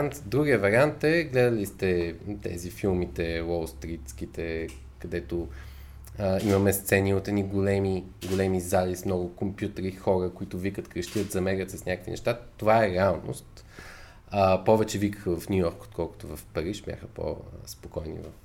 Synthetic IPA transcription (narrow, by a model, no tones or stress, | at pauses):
ant̪d̪ɾuɡiəvɐɾʲiant̪ɛɡlɛd̪əlist̪ɛt̪ɛ̰zifilˠmit̪ɛwɔlˠst̪ɾit̪sk̟it̪ɛ | kɐd̪ɛt̪o | əimɐmɛst̪sɛniot̪ɛd̪niɡolɛmi | ɡolɛmizalʲismnɔɡʊkompjut̪əɾixɔɾəkʊit̪ʊvikət̪kɾəʃt̪iət̪zɐmɛɾʲət̪səsnʲakəkvḭnɛ̰ʃt̪at̪ːovaɛɾɛalˠno̰st̪ | əpɔvɛt͡ʃɛvikə̥xəvɐfnʲujɔɾko̥t̪̚kʰɔlˠkʊ̥t̪ʊvɐfpɐɾiʃbʲja̰xəpo̰spokɔjnḭvəf